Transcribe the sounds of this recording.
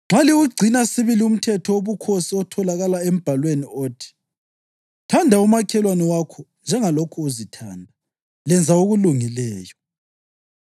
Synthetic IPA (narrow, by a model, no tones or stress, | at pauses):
ŋ͡ǁaliuɡ͡ǀʱinasiβilium̩tʰɛtʰɔoβukʰosiɔtʰɔlaɣalaem̩b̥ʱalwenioːtʰi̥ | tʰandʱaumakʰɛlwanɔwakʰɔnd͡ʒʱɛŋalokʰuozitʰa̰ːndʱa | lɛnd͡zʱaoɣuluŋilɛːjɔ